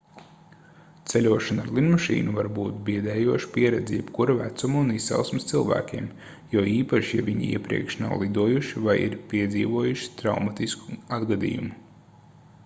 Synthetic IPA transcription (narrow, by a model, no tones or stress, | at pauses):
t̪sɛlʲuɔʃanaɾlˠinmaʃḭːnuvaɾbuːt̪biɛd̪ɛːjuɔʃpiɛɾɛd̪zijɛbkuɾavæt̪sumunisːɛ̰lˠsmɪst̪silˠvæ̰ːkʲiɛm | juɔiːpaʃijavʲiɲḭḭɛpɾḭɛkʃna̰wlˠid̪uɔjuʃivajḭɾpiɛd̪zḭːʋuɔjuʃi̥t̪ɾawmat̪isku̥ad̪ɡad̪ḭjumu